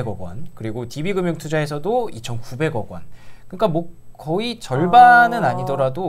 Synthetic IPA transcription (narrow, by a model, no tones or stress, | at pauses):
ɡʌɡwʌ̰nkɯɾiɡotibiɡɯmjʌŋtʰud͡ʑae̞sʰʌdoit͡ɕʰʌnkube̞ɡʌɡwʌ̰nkɯɲik͈amokʌit͡ɕʌɭbanɯnaɲidʌɾado